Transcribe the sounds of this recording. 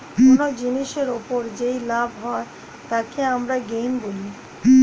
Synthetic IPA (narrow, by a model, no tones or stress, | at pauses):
konod͡ʑiniʃeɾopoɾd͡ʑejlabʱɦɔe | t̪akeamɾaɡejnboli